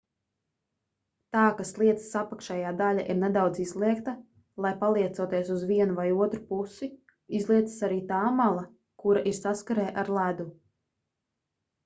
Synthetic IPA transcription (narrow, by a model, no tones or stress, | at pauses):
t̪aːkaslˠiɛt̪ssapakʃɛjaːd̪alʲaʔiɾned̪awd̪zizlˠiɛkt̪a | lˠajpalˠiɛt̪suɔt̪iɛsuzviɛnuvajuɔt̪ɾupusi | izlˠiɛt̪sḁsaɾiːt̪aːmalˠa | kuɾaʔiɾsaskaɾɛːʔaɾlˠæd̪u